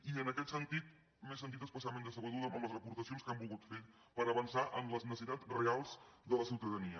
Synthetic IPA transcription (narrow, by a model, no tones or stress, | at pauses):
iənəkɛt̪sənt̪it̪̚ | mes̬ːənt̪it̪əspəsamẽnd̪əsəβəðuðəəmləzrəpuɾt̪əsionskambulˠɣut̪feɾ | pəɾəβənsaʔəmləznəsit̪at͡srealˠzd̪ələsiwt̪əðəniə